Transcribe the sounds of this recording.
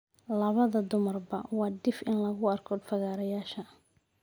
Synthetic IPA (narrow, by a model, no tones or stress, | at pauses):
lɐβɐðɐd̪ʊmɐrbɐwɑːd̪ɪfɪnlɐɣʊɐrkʰɔfɐɣaːɾɐjaːʃɐ